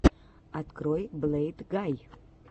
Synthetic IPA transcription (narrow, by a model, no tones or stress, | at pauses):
atkʰɾojblejtɡaj